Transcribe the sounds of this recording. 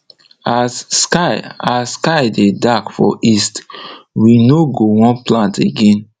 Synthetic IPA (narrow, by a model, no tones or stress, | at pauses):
asːkaɪaskaɪdedakfɔ̰ʔistwinoɡowɔ̃nplãnteɡẽn